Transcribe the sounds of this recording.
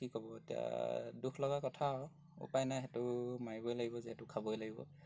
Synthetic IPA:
kikɔbɔetija̰dukʰlɔɡakɔtʰaɔ | ṵpajnajɦɛtʊmaɹibɔjlaɡibɔziɦɛtʊkʰabojlaɡibɔ̰

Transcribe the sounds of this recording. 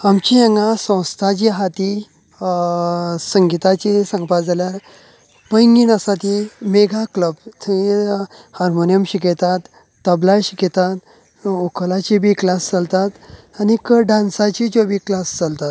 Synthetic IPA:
amt͡ɕiəŋɡasə̃w̃st̪ʰat͡ɕiɦat̪i | səŋɡit̪at͡ɕisə̃ŋɡpad͡zaljaɾ | pəjŋɡinəsat̪imeɡʱakləb̚t̪ʰi | haɾmonijəmɕiket̪at̪ː | əblajɕiket̪at̪ | ukʰəlat͡ɕibiklast͡səlt̪at̪ | anikəɖãnsat͡ɕid͡ʑobiːklast͡səlt̪at̪

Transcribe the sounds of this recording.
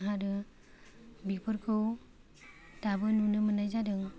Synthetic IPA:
ɦaɾɯ | bipʰɯɾkʰɯw | tabɯnunɯmənajzadɯŋ

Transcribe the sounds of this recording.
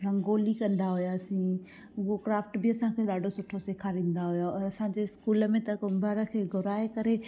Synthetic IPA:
ɾɐ̃ŋɡoːlikɐ̃nd̪aɦʊjasĩ | ʊɦokɾaːfʈbɪɐsãkʰeːɗaːɖʱosʊʈʰoseːkʰaɾĩːn̆d̪aɦʊjoɔːɾɐsãːd͡ʑeːɪskuːləmẽt̪ɐkʊmbʱəɾəkʰeːɡʱʊɾaːekɐɾe

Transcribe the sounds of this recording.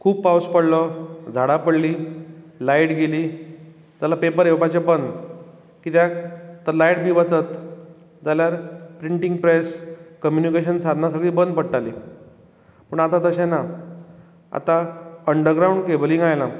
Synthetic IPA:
kʰuːbpauspəɽləd͡zʱaɽapəɽliːlaiʈɡeliː | d͡z̪alapepəɾewpat͡ɕebənd̪ | kiːt̪jat̪əɾlajʈbʱiːʋət͡sət̪ | d͡zaljaɾpɾiɳʈiŋɡpɾeskəmjunikeɕənsad̪nasəɡɭiːbənd̪̚pəɽʈaliː | pəɳat̪at̪əɕẽna | a̰t̪aəɳɖəɾɡɾawɳɖkebəlĩŋɡajla

